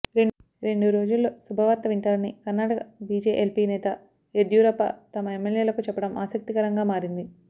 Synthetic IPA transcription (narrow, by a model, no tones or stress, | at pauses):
ɾe | ɾe̞ɳɖuɾo̞ːd͡ʒulːo̞ːsubʱɐʋaːt̪ːɐʋiɳʈaːlɐnikɐnːaːʈɐkɐbiːd͡ʒeːʔelpiːnɛːt̪ɐ | eɖjuːɾɐpɐ̰t̪ɐmɐemːeljeːlɐkut͡ʃɛpːɐɽɐmʔaːsɐk̚t̪ikɐɾɐŋɡaːmaːɾind̪i